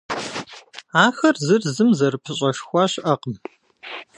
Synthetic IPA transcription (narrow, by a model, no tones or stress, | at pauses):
aːxɐrzɨrzɨmzɐrɨpʰɨɕʼɐʂxʷɑaːɕʔɐqəm